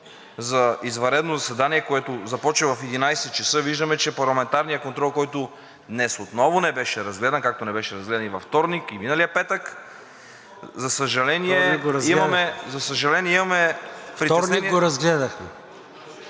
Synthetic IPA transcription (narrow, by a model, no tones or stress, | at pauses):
zɐizvɐɾɛd̪nozɐsɛd̪aniɛkoɛt̪ʊzɐpɔt͡ʃɛvɐfɛd̪inajsɛt̪̚t͡ʃɛsɤviʒd̪əmɛt͡ʃɛpɐɾlˠɐmɛnt̪aɾnijəkont̪ɾɔlˠkɔjt̪ʊ | d̪nɛsot̪nɔvʊnɛbɛʃɛɾɐzɡlɛd̪ɐnkak̚t̪onɛbɛʃɛɾɐzɡlɛd̪ɐnivɐft̪ɔɾnikiminəliəpɛt̪ək | zɐsəʒɐlɛniɛiɡoɾɐzimmɐmɛzɐsəʒɐlɛniɛimɐmɛpfɾit̪ɔɛɾniniɡoɾɐzɡlɛd̪ɐxmɛ